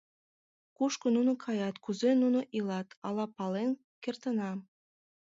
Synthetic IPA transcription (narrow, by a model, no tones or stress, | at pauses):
kuʃkonunokʰɑjɑt̪kuzenunoʔilɑt̪ɑlɑpɑlen | kert̪ənɑ